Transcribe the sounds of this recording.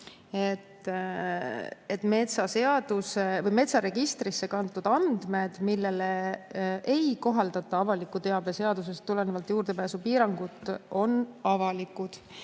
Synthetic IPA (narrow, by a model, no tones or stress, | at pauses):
e̞t̪ːˑ | et̪ːˑme̞t̪sɑse̞ɑd̪̥usevɤjme̞t̪sɑɾe̞ɡ̥ist̪risːe̞kɑnt̪ːˑud̪̥ɑnd̪̥me̞d̪̥milːe̞leʔejko̞ɦɑld̪ɑt̪ːˑɑɑvɑlikːˑut̪e̞ɑb̥e̞se̞ɑd̪us̬e̞st̪ːule̞nevɑlt̪juːrd̪̥e̞pæːsupiːɾɑŋɡ̥ut̪ːˑo̞nɑvɑlikːˑud̪̥